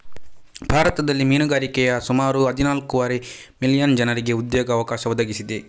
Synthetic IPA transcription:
bʱaːɾɐt̪ɐd̪ɐlːimiːnuɡaːɾikɛjɐsumaːɾuɦɐd̪ʱinaːlkuʋaɾe | milijɐnd͡ʒɐnɐɾiɡe̞ud̪joːɡɐːʋɐkaːʃɐʋɔd̪ɐɡisid̪e

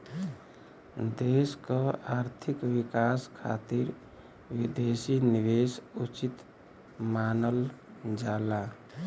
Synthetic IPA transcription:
d̪eskəaɾt̪ʰikwikaskʰa̰t̪iɾ | wid̪esiniʋesut͡ʃit̪ | manəld͡ʒaːla

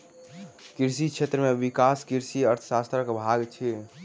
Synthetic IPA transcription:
kiɾsit͡ʃʰet̪ɾəmeʋikaskiɾsiəɾt̪ʰə̥sast̪ɾəkbʱaɡt͡ʃʰi

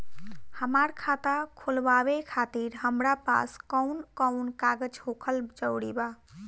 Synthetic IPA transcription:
həmaɾkʰat̪akʰolbaβekʰat̪iɾɦəmɾapa̰skəʊnkəʊnkaɡəd͡ʒɦokʰəld͡ʒəwɽiba

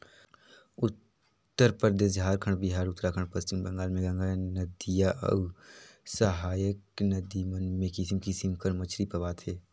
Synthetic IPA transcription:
ʊt̪ː | əɾpəɾd̪eːsɦaːɾkʰəɳɖbiɦaːɾʊt̪ːɾakʰə̃ɳpəst͡ʃɪmbə̃ŋɡaːlmẽɡɐ̃ŋɡanɐd̪ijaʔə̰ | səɦaːjəknɐd̪imənmẽkisimkisimkəɾmət͡ʃɾipəʋaːt̪ʰeː

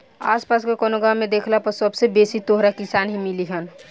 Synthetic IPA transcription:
a̰spaskekonoɡaːed̪ekʰlapəɾsəbsebesit̪oɦɾakisanɦimiliɦən

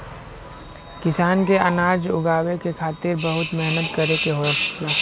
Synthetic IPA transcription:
kɪsaːnkeənaːɾd͡ʒʊɡaːwekekʰaːt̪ɪɾbəɦʊt̪mɛɦnət̪kəɾekeɦoka

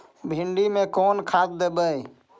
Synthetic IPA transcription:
bʱiɳɖimekɔnkʰasd̪ebəj

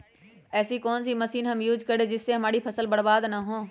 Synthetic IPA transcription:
ɛːsikɔːnsiməsiːnɦɐmjuːd͡ʒkəɾed͡ʒɪsːeɦɐmaːɽipʰɐsəlbəɽbaːd̪naɦõː

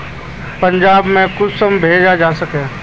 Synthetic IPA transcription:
pɐ̃ɲd͡ʒaːbmẽkʊsəmbʱeːd͡ʒad͡ʒaːsɐkeː

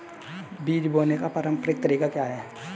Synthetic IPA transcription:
biːd͡ʒboːnekapaɾə̃mpəɾɪk̚t̪əɾiːkakjaɦɛː

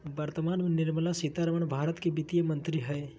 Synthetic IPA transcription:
bɐɾt̪əmaːnmenɪɾməlasit̪aɾəʋəɳ̃bʱaːɾət̪kebit̪ijəmɐ̃nt̪ɾiɦɛ

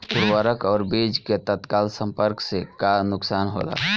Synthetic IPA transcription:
pʊɾwaːɾəkɔːɾbeːd͡ʒket̪ət̪kaːlsə̃mpəɾksekanʊksaːnɦo̰ːla̰ː

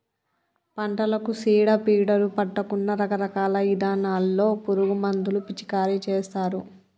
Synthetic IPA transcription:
pɐɳʈɐlɐkusiːɽɐpiːɽɐɾupɐʈːɐkunːɐɾɐkɐɾɐkaːlɐʋid̪aːnaːlːo̞ːpuɾuɡumɐnd̪ulupit͡ʃi̥kaːɾit͡ʃeːst̪aːɾu

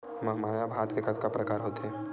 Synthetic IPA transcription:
mɐɦmaːjabʱaːt̪kekət̪kapɾɐkaːɾɦoːt̪ɦeː

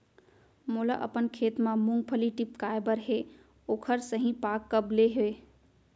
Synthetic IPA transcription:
mula̰ʔə̰pənkʰet̪mamuŋɡ̚pʰəliʈip̚kaebəɾɦe | okʰəɾsəɦĩpakːəbleɦoe

